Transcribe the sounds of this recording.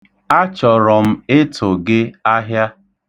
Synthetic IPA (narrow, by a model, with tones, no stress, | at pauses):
a˦t͡ʃɔ˨ɾɔ˨m̩˦e˦tʰo˨ɡe˦a˦ɦja˦